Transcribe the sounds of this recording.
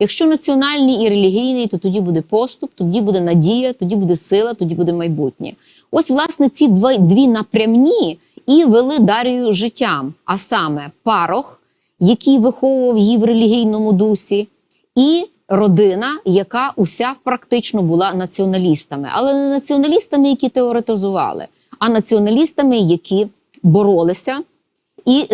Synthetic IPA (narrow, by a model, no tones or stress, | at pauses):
jɐkʃt͡ʃɔnɐt͡sʲiɔnɑlʲnʲiiɾelʲiɦʲijnɪjt̪ɔt̪ɔdʲibud̪ɛpɔst̪ʊp̚t̪ɔdʲibud̪ɛnɐdʲijɐt̪ɔdʲibud̪ɛsɪlˠɐt̪ɔdʲibud̪ɛmɐjbutʲnʲɐ̰ | ɔsʲʋlˠɑsnɛt͡sʲid̪ʋd̪ʋʲinɐpɾʲɐmnʲi | iʋelˠɪd̪ɑɾʲijʊʒɪtʲːɑmɐsɑmɛpɑɾɔx | jɐkʲijʋɪxɔʋʊʋɐwjiʋrelʲiɦʲijnɔmʊd̪usʲi | i | rɔd̪ɪnɐjɐkɑʔusʲapɾɐkt̪ɪt͡ʃnɔbʊlˠɑnɐt͡sʲiɔnɐlʲist̪ɐmɪ̰ʔɐ̰lˠɛnɐt͡sʲiɔnɐlʲist̪ɐmɪjɐkʲit̪eɔɾet̪ɪzʊʋɑ̰lˠɪ̰ | ɐnɐt͡sʲiɔnɐlʲist̪ɐmɪjɐkʰʲi | bɔɾɔlˠɪsʲɐ | i